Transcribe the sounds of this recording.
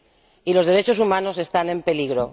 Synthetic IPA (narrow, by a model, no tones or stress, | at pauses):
ilo̞zð̞e̞ɾe̞t͡ʃo̞s̬umãno̞se̞st̪ane̞mpe̞liɣ̞ɾo̞